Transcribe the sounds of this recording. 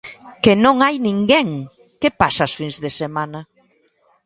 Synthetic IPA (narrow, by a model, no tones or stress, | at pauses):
kenõŋajnĩŋɡeŋ | kepasaːsfinzðesemanɐ